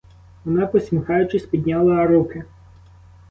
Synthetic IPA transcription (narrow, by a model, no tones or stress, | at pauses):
ʋɔnɑpɔsʲmʲixɑjʊt͡ʃɪsʲpʲid̪ʲnʲɑlˠɐɾukɪ